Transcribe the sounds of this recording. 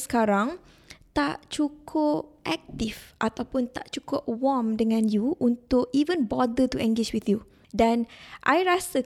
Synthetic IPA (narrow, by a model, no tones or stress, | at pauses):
sə̥kaɾaŋ | t̪a̰ʔt͡ʃukʰʊpʔɛk̚t̪ifʔat̪awpʊnt̪a̰ʔt͡ʃukʊp̚wɔmdəŋãnjuʔunt̪ʊkivənbɔdət̪uɛ̃ŋɡed͡ʒwiθju | dãnʔa̰jɾasə